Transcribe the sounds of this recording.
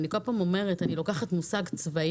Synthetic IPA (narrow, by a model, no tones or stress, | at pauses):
niko̞lpamo̞me̞ʁetanilo̞kaχatmusaɡt͡sva